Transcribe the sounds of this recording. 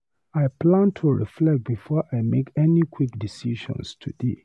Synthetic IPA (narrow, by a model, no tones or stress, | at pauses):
aɪpʰlãntʰuɹiflɛk̚t̚bifɔʔaɪmekɛnikʰwikdisiʃɔ̰̃nstʰudḛ